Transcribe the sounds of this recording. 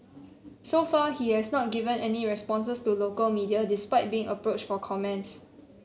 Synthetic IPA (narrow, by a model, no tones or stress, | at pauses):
sofahihɛsnɔt̚ɡivə̃nɛniɹɛspɔ̃ns̬əstulokəlmidiadispaɪt̚biɪ̃ŋəpɹot͡ʃfɔkʰɔmɛ̃nts